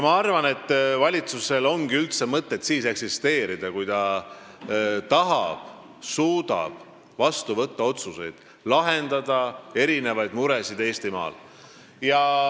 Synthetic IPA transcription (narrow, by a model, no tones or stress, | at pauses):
mɑɑrvɑne̞t̪ˑːvɑlʲit̪suse̞lo̞ŋɡiylt̪semɤt̪ːe̞t̪siːse̞ksist̪e̞ːɾid̪̥ɑkujt̪ɑ | t̪ɑɦɑb̥ | suːd̪̥ɑ̰b̥ | vɑst̪uvɤt̪ːɑo̞t̪suse̞jd̪̥ | lɑɦe̞nd̪ɑd̪ɑe̞ɾine̞vɑjd̪̥muɾe̞sid̪̥e̞ːst̪imɑ̰ːl | jɑ